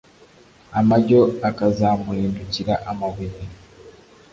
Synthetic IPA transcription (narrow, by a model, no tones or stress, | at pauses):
amaɟoakazamueːnduciɾaʔamaβiɾe